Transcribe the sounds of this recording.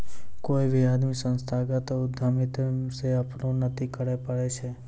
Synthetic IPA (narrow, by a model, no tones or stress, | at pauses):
koiʋijad̪mĩsə̃nst̪ʰaɡət̪ʊd̪ʱːamit̪seapɳõnət̪ʰikəɽepəɽet͡ʃʰe